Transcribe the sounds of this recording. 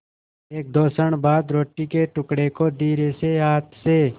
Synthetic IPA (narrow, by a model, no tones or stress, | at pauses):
eːk̚d̪oːsəɳ̃baːd̪ɾoːʈːikeʈʊkɽekod̪iːɾeseɦaːt̪ʰse